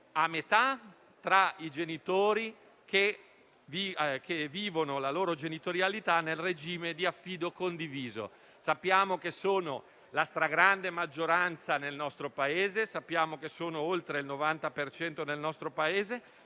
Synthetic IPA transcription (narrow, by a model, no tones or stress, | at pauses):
amːet̪a | t̪ɾaid͡ʒenit̪oːɾi | ke | vikʰevːiːvonolaloːɾod͡ʒenit̪oɾjalit̪anelred͡ʒiːmed̪iafːiːd̪okond̪iviːzo̰ | sapːjaːmokesoːno | last̪ɾaɡɾand̪emad͡ʒːoɾant̪sanelnɔst̪ɾopaeːzesapːjaːmokesoːnoolt̪ɾeilnovant̪apert͡ʃɛnt̪onelnɔst̪ɾopaeːze